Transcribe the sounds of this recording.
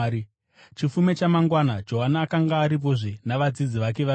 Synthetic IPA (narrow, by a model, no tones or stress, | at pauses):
t͡ʃifume̞t͡ʃamaŋɡwanad͡ʒo̞ɦanːkaŋɡaːɾip̬o̞ʐinaʋad͡zid͡ziʋak̬e̞ʋa